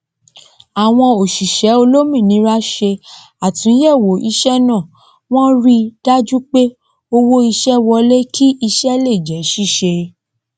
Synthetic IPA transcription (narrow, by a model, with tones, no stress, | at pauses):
a˨w̃ɔ̃˧o˨ʃi˨ʃɛ˨˦o˧lo˦mĩ˦˨nĩ˨˦ɾa˦ʃe˧ | a˨tũ˨˦jɛ˦˨wo˨˦ʔi˧ʃɛ˦nã˦˨ | w̃ɔ̃˦ɾi˧d̥a˦d͡ʒu˦k͡pe˦ | o˧wo˦i˧ʃɛ˦wɔ˧le˦kʰi˦i˧ʃɛ˦le˦˨d͡ʒɛ˨˦ʃi˦˨ʃe˧